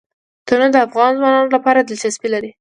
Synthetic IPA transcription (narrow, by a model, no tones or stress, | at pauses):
t̪ənəd̪əafɣɑnzwɑnɑnolapɑɾad̪ɪlt͡ʃasbilaɾi